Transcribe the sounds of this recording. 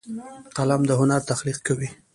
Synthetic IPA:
qalamd̪əɦʊnaɾt̪axliqkawi

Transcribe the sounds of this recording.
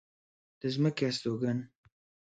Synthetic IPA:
d̪̥əzməkeast̪oɡan

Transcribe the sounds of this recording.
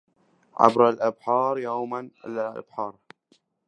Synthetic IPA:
ʕa̰bɾalʔabħɑːɾˤjoːmanlaʔa̰b̥ħɑːɾˤ

